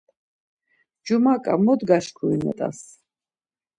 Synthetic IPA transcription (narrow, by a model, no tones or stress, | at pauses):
d͡ʒumakʼamɔd̪ɡaʃkʰuinɛ̰t̪ʼa̰s